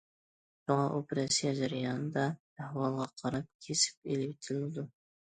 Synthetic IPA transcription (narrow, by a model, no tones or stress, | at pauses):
ʃuŋɑʔopɾɑsijɑd͡ʒæɾɨjɑnɨd̪ɑ | æhwɑlˠʁɑqʰɑɾɑp̚kʲʰesɪ̥p̚elɪpʲit̪ʰɪlɪd̪u